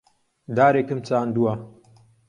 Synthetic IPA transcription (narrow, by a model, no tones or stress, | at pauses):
d̪aːɾeːkɨmt͡saːnd̪uwa